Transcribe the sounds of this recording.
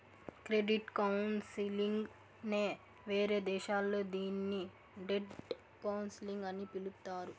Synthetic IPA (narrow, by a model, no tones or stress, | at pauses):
kɾe̞ɖiʈkɐwnsiliŋɡ | ne̞ː | ʋe̞ːɾe̞ːd̪ɛːʃaːlːo̞ːd̪iːnːi | ɖeɖ | kɐwnsiliŋɡɐnipilut̪aːɾu